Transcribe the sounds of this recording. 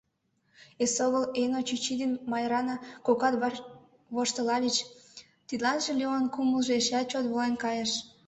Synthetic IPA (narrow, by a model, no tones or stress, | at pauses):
esoɣəlenot͡ɕyt͡ɕid̪enmɑjɾɑnɑkokɑt̪ | βoʃt̪əlɑlʲit͡ɕ | t̪id̪lɑnʒelʲeonkuməlˠʒeeʃeɑt̪̚t͡ɕot̪βolenkɑjəʃ